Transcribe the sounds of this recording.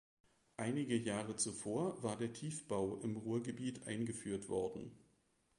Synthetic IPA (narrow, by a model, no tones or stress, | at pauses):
ʔaɪnɪɡəjaːʁət͡sufoːɐvaːɐdeːɐtʰiːfb̥aʊʔɪmʁuːɐɡəbiːtʔa̰ɪnɡəfyːɐtv̥ɔɐdn̩